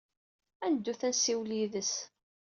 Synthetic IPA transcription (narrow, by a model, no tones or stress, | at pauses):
ænəd̪ːuθænsiwliðəs